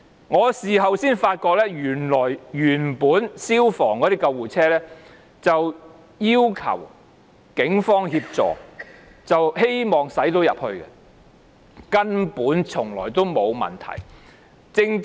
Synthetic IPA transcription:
ŋɔː˨˧siː˨ɦɐ˨wsiː˥nfaː˧t̚kɔː˧k̚lɛː˥jyː˨˩nlɔː˨˩jyː˨˩npuː˨˥nsiː˥wfɔː˨˩ŋkɔː˨˧ɾi˥kɐ˧wwuː˨˩t͡sʰɛː˥lɛː˥ | t͡sɐ˨w | jiː˥wkʰɐ̰˨˩w | kɪ˨˥ŋfɔː˥ŋhiː˧p̚t͡sɔ̰ː˨˩ | t͡sɐ˨whe˥jmɔː˨ŋsɐ˨˥jt̪o˧˥wjɐ̰˨p̚hɵ˧ɥkɛ̰˧ | kɐ˥npuː˨˥nt͡sʰʊ˨˩ŋlɔː˨˩jt̪o˥wmo˨˧wmɐ̰˨˩nt̪ʰɐ̰˨˩j | t͡sɪ˧ŋ

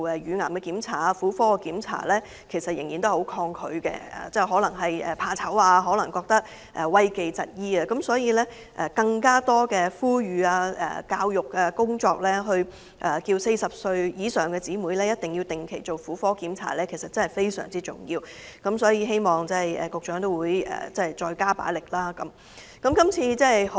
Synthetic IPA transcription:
ɛ˨ɥyː˨˧ŋaː˨˩mkɛ˧kiː˨˥mt͡sʰaː˨˥˩fuː˨˥fɔː˥˧kiː˨˥mt͡sʰa̰ː˨˥˩lɛː˥ | kʰe˨˩jsɐ˨t̚jɪ˨˩ŋjiː˨˩nt̪o˥who˨˧˥wkʰɔː˧ŋkʰɵ˨˧˥ɥkɛ̰˧a̰ː˨t͡sɛː˥˩ɦɔː˨˥lɐ˨˩ŋɦɐ˨jɛ̰ː˨˩pʰaː˧t͡sʰɐ˨˥waː˧ɦɔː˨˥lɐ˨˩ŋkɔː˧k̚t̪ɐ˥k̚ | ʔɛ˨˩wɐ˥jke˨jt͡sɐ̰˨t̚jiː˥aː˧kɐ˨˦msɔː˨˥jiː˨˧lɛː˥ | ʔɛ̰ː˨kɐ˧ŋkaː˥t̪ɔː˥kɛː˧fuː˥jyː˨aː˧ʔɛ̰ː˨kaː˧wjʊ˨kːaː˧kʊ˥ŋt͡sɔː˧k̚lɛː˥ɦɵ˧ɥ | ʔɛː˨˩kiː˧wse˧jsɐ˨p̚sɵ˧ɥjiː˨˥sœː˨ŋkɛː˧t͡siː˨˥muː˨˥jlɛː˥jɐ˥t̚t̪ɪ˨ŋjiː˧wt̪ɪ˨ŋkʰe˨˩jt͡so˨wfuː˨˥fɔː˥kiː˨˥mt͡sʰa̰ː˨˩lɛː˥kʰe˨˩jsɐ˨t̚t͡sɐ˥nhɐ˨jfe˥jsœː˨˩ŋt͡siː˥t͡sʊ̰˨˩ŋjiː˧w | kɐ˨˥msɔː˨˥jiː˨˧ɦe˥jmɔː˨ŋt͡sɛ˥˨jɛ̰ː˨˩kʊ˨k̚t͡ʃœː˨˥ŋt̪̬o˥wuː˨˧jɛ̰ː˨t͡sɛ˥hɐ˨˩jt͡sɔː˧jkaː˥pa̰ː˨˥jlɪ˨k̚laː˥kɐ˨˦m | kɐ˨˦mkɐ˥mt͡sʰiː˧t͡sɛː˥˨

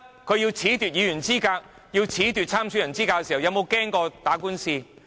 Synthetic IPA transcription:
kʰɵ˨˧jiː˧wt͡sʰiː˨˥t̪yː˨t̚jiː˨˧jyː˨˩nt͡siː˥kaː˧k̚ | jiː˧wt͡sʰiː˨˥t̪yː˨t̚t͡sʰaː˥msy˨˥jɐ˨˩nt͡siː˥kaː˧kːɛ˧si˨wjɐ˨˧wmo˨˧wkɛː˥ŋkɔː˧t̪aː˨˥kuː˥nsiː˧

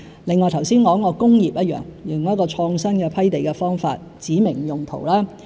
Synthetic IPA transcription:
lɪ˨ŋːɔː˨˧jt̪ʰɐ˨˩wsiː˥nkɔː˨˥ŋːɔː˨˧kʊ˥ŋjiː˨p̚jɐ˥t̚jœ̰ː˨˩ŋjɪ˨˩ŋɐ˥kɔː˧t͡ʃʰɔː˧ŋsɐ˥nkɛ˧pʰɐ˥jt̪e˨jkɛ˧fɔː˥ŋfa̰ː˧t̚t͡siː˨˥mɪ˨˩ŋjʊ˨ŋt̪ʰo̰˨˩wlaː˥

